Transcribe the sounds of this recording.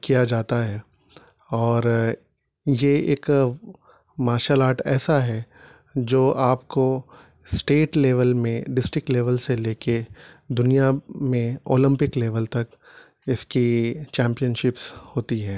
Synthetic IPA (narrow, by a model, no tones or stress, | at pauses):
kijad͡ʒaːt̪aɦɛː | ɔːɾ | jeeːk | maːɾʃaːlaːʈɛ̰ːsaɦɛ | d͡ʒoːʔaːpko | sʈeːʈleːʋəlmẽɖɪsʈɾɪk̚ʈleːʋəlseleːked̪ʊnijamẽo̰ːlɪ̃mpɪkleːʋəlt̪ɐk | ɪskit͡ʃɛ̃ːmpijənʃɪpshoːt̪iɦɛː